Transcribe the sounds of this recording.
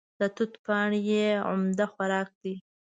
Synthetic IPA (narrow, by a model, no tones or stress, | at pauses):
d̪̥ət̪ut̪pɑɳjeʊ̰md̪axwaɾɑk̚d̪i